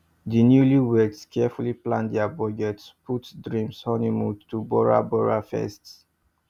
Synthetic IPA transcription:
dinjuliwɛkskʰɛfuliplã̰ndɛabɔɡɛtspʰutdɹĩmshɔnimudtubɔɹa̰bɔɹafɛ̰sts

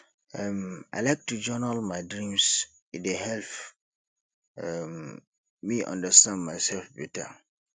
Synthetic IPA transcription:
ama̰ɪlaɪk̚tud͡ʒɔnəlmaɪdɹĩms | idehɛlp | ɛmː | iʔã̰ndəstãndmaɪsɛlfbɛta̰

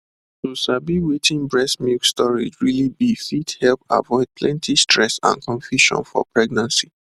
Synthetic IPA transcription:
tosabiwetĩnbɹɛsmikstɔɹḭd͡ʒɹilibifithɛlpa̰vɔɪd̥̚pʰlɛ̃ntʰistʰɹɛsã̰nkʰɔ̃nfjuʃɔ̰̃nfɔ̰pɹɛɡ̚nãnsi

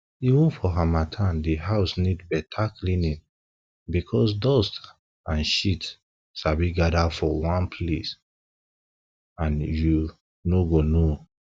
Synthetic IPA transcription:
iwũnfɔɦamatʰãndiɦaʊsnidbɛtʰaklĩnĩn | bikʰɔsdɔst | ãnʃit | ʃabiɡadafɔwãnpʰles | ãnju | noɡono

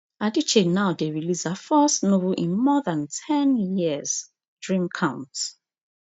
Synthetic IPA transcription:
adit͡ʃeknaʊdeɹilisafɔsnovʔĩnmɔðãntʰɛ̃njiəz̥ | dɹĩmkʰãʊ̃nt

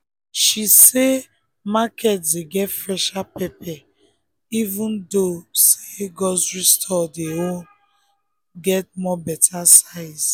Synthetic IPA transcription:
ʃise | makʰɛtdeɡɛtfɹɛʃapɛpɛ | ivũndoseɡɔsɹistʰɔdeõn | ɡɛt̚mɔbɛtʰasaɪs

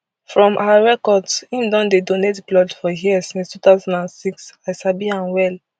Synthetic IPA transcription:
fɹɔ̃mʔawaɹɛkɔdsĩmdɔ̃ndedonetblɔdfɔɦiɛsĩnstut̪aʊzãndãnsiksaɪsabiãnwɛl

